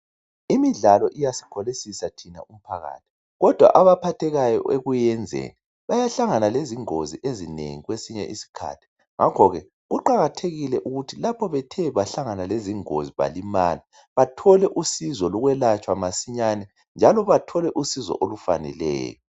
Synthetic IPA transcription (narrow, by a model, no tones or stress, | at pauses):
imiɮalɔʔijasi̥kʰɔlisisatʰina̰um̩pʰaɣa̰ːt̚ʰi̥ | ɣɔd̥ʱwa̰ʔaβapʰatʰɛɣajɔ̰ʔeɣujɛnd͡zʱḛːni | βajaɬaŋanaleziŋoziʔezinḛŋiɣwesiɲɛ̰ʔisi̥kʰa̰tʰi̥ | ŋakʰɔɣɛ | ɣuǃaɣatʰeɣilɛʔuɣutʰilapʰɔβɛtʰɛβaɬaŋanaleziŋo̰ziβa̰lima̰li | βatʰɔlɛʔusizɔlɔɣwɛlat͡ʃʼwamasiɲanɛ | nd͡ʒʱalɔβatʰɔlɛʔusizɔ̰ʔolufa̰nɛ̰lɛ̰ːjɔ